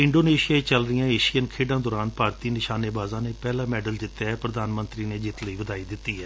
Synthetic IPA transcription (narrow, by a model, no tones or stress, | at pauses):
ɪ̃ɳɖoːneːʃijaːet͡ʃəlɾɪjãːeːʃijənkʰeːɖãːd̪ɔːɾaːnpaːɾt̪iːnɪʃaːneːbaːzãːneːpɛːlãːmɛːɖəld͡ʒ̪ɪt̪ːaːɛːpɾəd̪aːnmənt̪ɾiːneːd͡ʒɪt̪ləiːʋəd̪aːid̪ɪt̪ːiːɦɛː